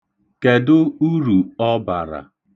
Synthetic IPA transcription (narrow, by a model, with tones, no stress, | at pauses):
ke˨dʊ˦u˦ɾu˨ɔ˦ba̰˨ɾa̰˨